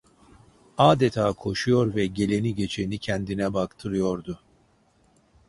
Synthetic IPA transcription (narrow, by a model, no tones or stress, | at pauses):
aːd̪ɛt̪ʰaːkʰo̞ʃujoɾvɛɟe̞lʲe̞niɟet͡ʃʰenicʰænd̪inɛbakt̪ʰɯɾɯjo̞ɾd̪u